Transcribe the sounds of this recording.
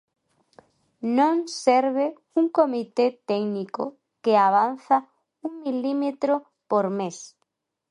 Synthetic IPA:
nõŋseɾβe | uŋkomit̪et̪ɛkniko | keaβanθa | uŋmilimet̪ɾo | poɾmes

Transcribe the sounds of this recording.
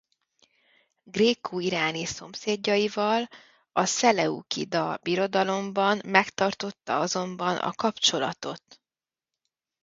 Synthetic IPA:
ɡreːkʰuiɾaːniso̞mseːɟːɒjivɒl | ɒsɛlɛṵkḭd̪ɒbiɾo̞d̪ɒlo̞mbɒnmɛkt̪ɒrt̪o̞t̪ːɒ̰ɒzo̞mbɒnʔɒ̰kɒpt͡ʃo̞lɒ̰t̪o̞t̪

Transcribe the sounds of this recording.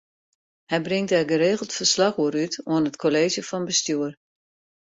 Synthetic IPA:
hɛjbrɪŋtɛrɡəɾeːɣəl̩ˠtfərslaxoəɾytoənətkʰoleːʒjəfɔnbəstyər

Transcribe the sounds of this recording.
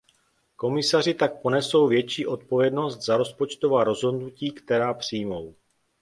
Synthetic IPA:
ko̞mɪsar̝ɪt̪ak̚po̞nɛso̞wvjɛt͡ʃiːʔo̞t̪̚po̞vjɛdno̞st̪zaɾo̞spot͡ʃt̪o̞vaːɾo̞zɦo̞dnuciːkt̪ɛɾaːpr̝̥ijmo̞w

